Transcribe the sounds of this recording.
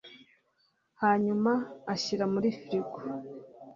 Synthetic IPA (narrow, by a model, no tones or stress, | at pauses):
haːɲumaːɕiɾamuɾifiɾiko̥